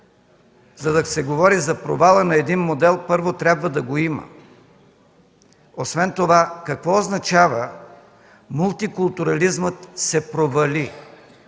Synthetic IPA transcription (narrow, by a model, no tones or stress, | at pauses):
zɐd̪ɐsɛɡovɔɾizɐpɾo̰valˠənɐɛd̪inmod̪ɛlˠpɤɾvot̪ɾʲabvəd̪ɐɡoimə̰ | osvɛnt̪ovakɐkvɔoznɐt͡ʃavə | mulˠt̪ikulˠt̪uɾɐlizmət̪sɛpɾovɐlʲi